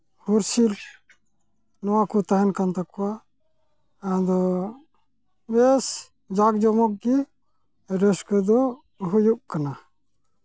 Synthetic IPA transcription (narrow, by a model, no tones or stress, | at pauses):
huɾsil | nɔwakut̪aɦɛnkant̪akɔwa | ad̪ɔ | bɛs | d͡ʒaɡ̚d͡ʒɔmɔk̚ki | ɛɖɔskɔd̪ɔ | ɦujuʔ̚kana